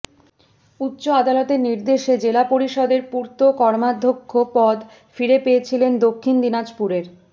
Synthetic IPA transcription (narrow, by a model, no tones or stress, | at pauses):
utːɕoad̪alɔt̪eɾniɾd̪eʃed͡ʑelapoɾiʃɔd̪eɾpuɾt̪okɔɾmad̪ʱːokʰːopɔd̪ | fiɾepeet͡ɕʰilend̪okʰːind̪inad͡ʑpuɾeɾ